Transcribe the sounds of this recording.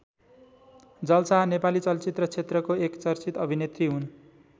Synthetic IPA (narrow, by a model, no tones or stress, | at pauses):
d͡zʌlsanepalit͡sʌlt͡sit̪rʌt͡sʰet̪rʌkoekt͡sʌrt͡sit̪ʌbʱinet̪riɦun